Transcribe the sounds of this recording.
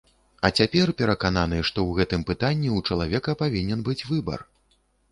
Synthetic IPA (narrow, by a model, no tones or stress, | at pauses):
ɐt͡sʲapʲɛrpʲɛɾɐkananɨʂt̪ɔwɣɛt̪ɨmpɨt̪anʲːiut͡ʂɐlˠavʲɛkɐpavʲinʲɛnbɨt͡sʲvɨbɐ̰r